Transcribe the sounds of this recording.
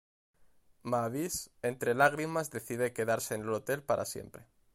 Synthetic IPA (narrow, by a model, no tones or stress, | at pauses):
maβisent̪ɾe̞laɣ̞ɾimazðe̞θiðeke̞ðaɾse̞ːnelot̪e̞lpaɾʔa̰sje̞̰mpɾe